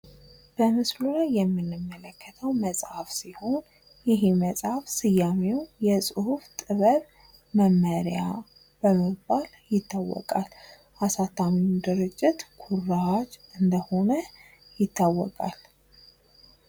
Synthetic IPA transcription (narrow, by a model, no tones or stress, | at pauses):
b̥əmɨslulajːɛmːɨnːɨmːələkʰːət̪ʰəwməsʼhafsiho̞n | jɪɦməsʼhafsɨjamewjɛsʼɨhuft̪ʼɨβəɾ | məmːəɾja | b̥əməbːal | jɪt̪ʰːawːɔ̰kʼal | ʔasat̪ʰːamiud̪ɨɾɨd͡ʒːɪt̪kʰuraad͡ʒɨnd̪əho̞nə | jɪt̪ʰːawːɔ̰kʼal